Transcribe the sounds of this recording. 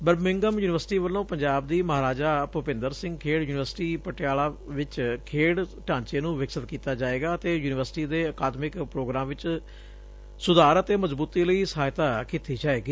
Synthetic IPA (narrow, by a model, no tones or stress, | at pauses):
bəɾbmɪ̃ŋɡəmjuːnɪʋəɾsʈiːʋəlːõːpəɲd͡ʒaːb̚d̪iːməɦaːɾaːd͡ʒaːpʊpɪ̃nd̪əɾsɪ̃ŋɡkʰeːɽjuːnɪʋəɾsʈiːpəʈɪjaːlaːʋɪt͡ʃkʰeːɽʈãːɲt͡ʃeːnũːʋɪksət̪kiːt̪aːd͡ʒaːeːɡaːət̪eːjuːnɪʋəɾsʈiːd̪eːəkaːd̪mɪkpɾoːɡɾãːmʋɪt͡ʃ | sʊd̪aːɾət̪eːməzbuːt̪iːləiːsəɦaːjt̪aːkiːt̪iːd͡ʒaːeːɡiː